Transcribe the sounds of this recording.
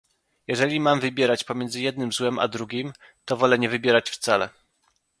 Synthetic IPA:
jɛʐɛlʲimamvɘbʲjɛɾat͡ɕpɔmʲjɛnd̪zɘjɛd̪nɘmzwɛma̰d̪ɾuɡʲim | t̪ɔvɔlɛɲɛvɘbʲjɛɾat͡ɕft̪salɛ̰

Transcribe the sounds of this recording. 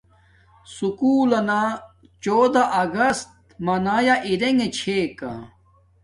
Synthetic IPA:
sukuːlɐna | t͡ɕoːd̪aʔɐɡɐst̪̚ | mɐnaːjaʔiɾeŋɡet͡ɕʰeːka̰

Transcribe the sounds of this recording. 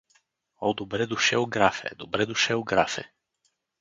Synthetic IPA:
ɔd̪obɾɛd̪uʃɛʊɡɾafɛ̰d̪obɾɛd̪uʃɛʊɡɾafɛ̰

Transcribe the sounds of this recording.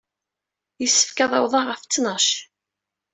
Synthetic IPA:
jəsːə̥fkæðˤɑwðˤɑʁəft͡sːnəʃ

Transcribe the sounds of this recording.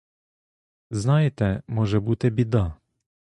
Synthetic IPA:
znajɛt̪ɛmɔʒɛbut̪ɛbid̪a

